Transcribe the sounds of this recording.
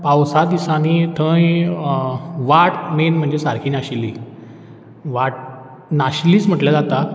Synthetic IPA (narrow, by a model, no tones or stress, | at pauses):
pawsad̪isanit̪ʰə̃j | ʋaʈ̚menm̤əɳd͡zesaɾkʰiːnaɕilːḭː | ʋaʈ̚ | naɕliːt͡sm̤əʈljad͡zat̪a